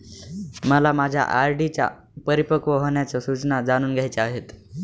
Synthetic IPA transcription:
məlamad͡ʑʱja̰ʔaɾɖit͡ɕja̰ | pəɾipəkʋəɦoɳjat͡sɔsut͡snad͡zaɽ̃uːnɡʱjajt͡seaɦet̪

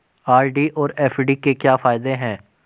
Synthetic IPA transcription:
aːɾɖiʔɔːɾɛːfɖikekjaːfaːɪd̪eɦɛ̃ː

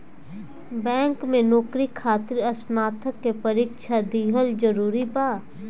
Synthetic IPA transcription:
bɛ̃ːŋkmẽnɔːkɾikʰaːt̪ɪɾɐsnaːt̪ʰəkːepɐɾiːkʃʰad̪iːɦəld͡ʒəɾuːɾibaː

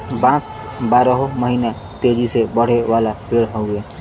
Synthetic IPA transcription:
bãs | baɾəɦoməɦina | t̪ed͡ʒisebəɽ̤ewalapeɽɦɔʊe

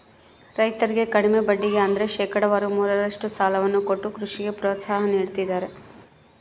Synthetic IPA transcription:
ɾɐjt̪ɐɾiɡe̞kɐɽime̞bɐɖːiɡe̞ɐnd̪ɐɾe̞ʃɛːkɐɽɐʋɐɾumuːɾɐɾɐʂʈusaːlɐʋɐnːuko̞ʈːukɾuʂiɡe̞pɾoːt̪saːɦɐniːɽt̪id̪ːaːɾe̞

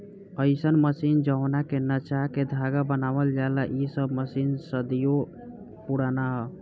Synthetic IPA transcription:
əɪsənməsind͡ʒəwnakenət͡ʃaked̪ʱaɡabənaβəld͡ʒalaʔisəbməsinsəd̪ijo | puɽanaɦə

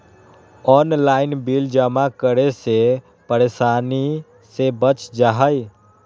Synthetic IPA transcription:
ɔnlainbild͡ʒəmakəɾese | pəɾesani | sebət͡ʃd͡ʒaɦəj

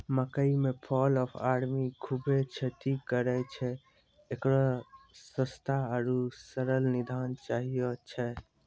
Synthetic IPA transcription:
məkəimepʰɔlɔpʰaɾmikʰubet͡ʃʰət̪ikəɾɛt͡ʃʰɛ | ekɾɔsə̃st̪ʰaaɾusəɾəlnid̪ʱant͡ʃaɦijət͡ʃʰɛ

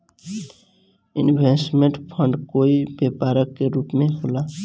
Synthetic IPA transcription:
ɪ̰nbʱesmeɳʈpʰəɳɖkoːibepaɾəkːeɾupmeɦola

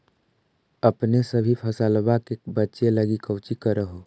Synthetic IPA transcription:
əpnesəbʱipʰəsəlbakebətːʃeləɡikəwt͡ʃikəɾəɦo

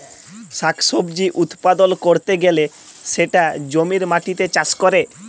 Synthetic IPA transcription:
ʃakʰsobd͡ʑiʔut̪pad̪olkoɾt̪eɡele | ʃeʈad͡ʑomiɾmaʈit̪et͡ɕaskoɾe

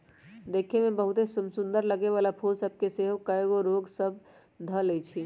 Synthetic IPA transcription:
d̪eːkʰemebəɦut̪esumsund̪əɾləɡeʋalapʰulsəb̚ʱkeseɦokəeɡoɾoɡsəbʱ | d̪ʱəlɛt͡ʃʰi

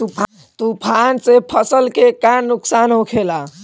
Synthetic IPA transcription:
t̪upʰ | t̪upʰansepʰəsəlkekanuksanɦõkʰela

